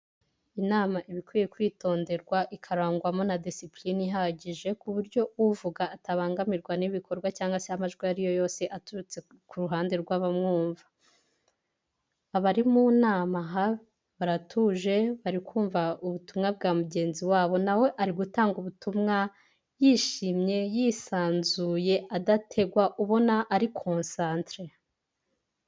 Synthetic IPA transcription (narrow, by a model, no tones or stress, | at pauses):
inaːmaʔiβikwijekwiːto̞ːnde̞ɾɡwaʔikʰaɾaːŋɡuɾamo̞nadisipliniɦaɟiʒe̞kuβuɾɟo̞uvuɡaːtaβaːŋɡamiɾɡwaniβikʰo̞ɾɡwacaːŋɡaseamaʒɡwiaɾijo̞jo̞ːse̞ʔatuɾut͡se̞ | kʰuɾuɦaːnde̞ɾɡwaːβamŋuːɱvḁ | βaɾimunaːmaɦa | βaɾatʰuːʒe̞βaɾikuːɱvauβutumŋab̚ɡaːmuɟe̞ːnziwaːβo̞nawe̞ʔaɾiɡutaːŋɡuβutumŋa | jiːʃimɲe̞jisaːnzuje̞ʔadatʰe̞ɡwaʔuβo̞naʔːɾikʰo̞ːnsaːntɾe